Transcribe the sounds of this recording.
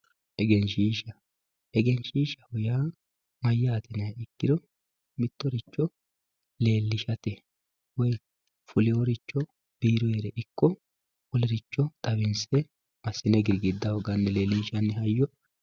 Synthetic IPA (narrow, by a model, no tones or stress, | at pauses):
ʔɛɡɛnʃiːʃɐ | ɛɡɛnʃiːʃɐhʊjaː | mɐjːɐːt̪ɪnɐjaɪkːɪd̪ɔ | mɪt̪ːɔɾɪt͡ʃːɔ | le̞ːlːɪʃɐt̪ɛ | wɔj | fʊlɪɔɾɪt͡ʃːɔ | b̥iːɾɔjeɾɛʔɪkːɔ | wɔlɛɾɪt͡ʃːɔt̪ʼɐβɪnsɛ | mɐsːɪnɛɡɪɾɡɪd̪ːɐhɔɡɐnːɛle̞ːlːiːʃɐnːɛhɐjːɔ